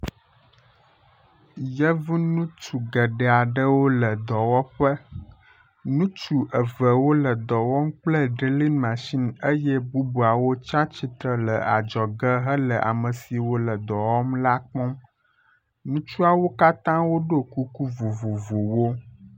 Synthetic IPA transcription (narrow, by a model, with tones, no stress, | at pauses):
jə˦vi˦nũ˦t͡ʃu˨ɡə˨ɖə˨a˨ɖə˦wo˦lə˨d̪ɔ˨wɔ˦ɸə˦ | nũ˦t͡ʃu˨ʔə˨və˨wo˦lə˨d̪ɔ˨wɔ˦m˦k͡plə˦ɖi˨li˦nmã˨ʃi˦nə˦jɛ˦bu˦bu˨a˨wo˦t͡ʃa˦t͡ʃi˦t̪ɾə˨lə˨a˨d͡ʒɔ˨ɡə˦ɦə˦lə˨ʔa̰˨mə˨si˨wo˦lə˨d̪ɔ˨wɔ˦mla˦k͡pɔ̃˦m | nũ˦t͡ʃu˦a˦wo˦ka˦t̪ã˦wo˦ɖo˦ku˦ku˦vo˨vo˨vo˨wo˦